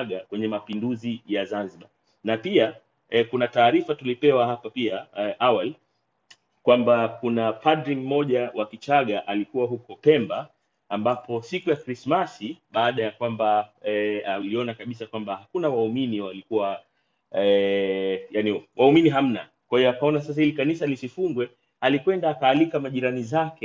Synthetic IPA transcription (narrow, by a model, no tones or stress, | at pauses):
ɠakwɛɲɛmapinduzijazanziɓa | napia | kunataːɾifatulipɛwahapapiaʔawali | kwambakunapadɾim̩ːɔʄawakit͡ʃaɠaʔalikuwaɦukɔpɛmbaː | mbapʰɔsikujakɾismasiɓaːɗajakwamba | aliɔnakaɓisakwambahakunawauminiwalikuwa | ɛ | janiwʔauminiɦam̩na̰ | kwahiɔakaɔnas̬as̬ahilikanisalisifuŋɡwɛ | alikwɛndaːkaːlikamaʄiɾanizakɛ